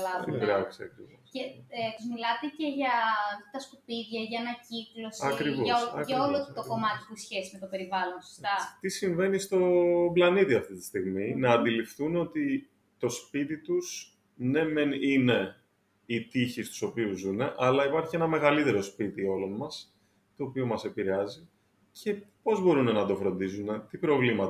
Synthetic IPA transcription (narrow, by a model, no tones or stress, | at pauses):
lɐɾɐksiɐ̰kɾivosceet̪zmilɐt̪e̞ce̞ʝɐt̪ɐskupiðʝɐʝɐːnɐciklo̞sɐkɾivoɐsɐʝɐolot̪oko̞mɐt̪i̥pusçesizme̞t̪ope̞ɾivɐlo̞nsost̪ɐt̪isiɱve̞nist̪o̞blɐnit̪iɐft̪it̪i̥st̪iɣminɐːnd̪ilifθuno̞t̪i | t̪o̞spit̪it̪us | ne̞menine̞ | it̪içist̪u̥so̞piuzune̞ʔɐlɐipɐɾçie̞nɐme̞ɣɐlit̪e̞ɾo̞spit̪io̞lo̞nmɐs | t̪o̞ːpiomɐse̞piɾe̞ɐzi | cʰe̞po̞zbo̞ɾune̞nɐd̪o̞fɾo̞nd̪izunet̪ipɾo̞vlimɐt̪